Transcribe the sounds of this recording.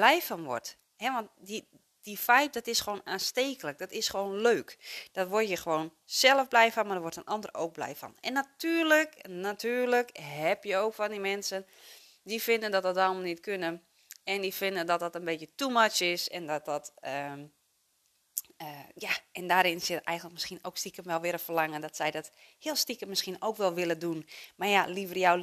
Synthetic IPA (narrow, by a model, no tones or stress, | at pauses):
b̥lɛjfɔnʋɔ̰rt | ɦɛʋɔntdi | difɛjp̚dɔtɪsxəʋoːnaːnsteːkələk̚d̥ɔtɪsxəʋoːnløːkd̥ɔtʋorjəxəʋoːnsɛlˠəfblɛjfɔnmadəʋortənʔɑndəro̰ːk̚blɛ̰jfɔ̰nɛnːatyːrləknatʰyːrləkɦɛpjəoːkfɔndimɛnsən | difɪndəndɔt̚dɔt̚ɔlˠməlˠnitkʰønən | ɛndifɪndəndɔt̚dɔtənbetjətumat͡ʃɪsɛndɔt̚dɔtə | əjaɛndaːɾɪnsɪtɛ̰jɣəndləkmɪskiənoːkstikəmʋɛlˠʋɪɾəfərlaŋəndɔtsɛjdɔthiəlˠstikəmɪskinoːkʋɛlˠʋɪlˠədunmajalivərjaw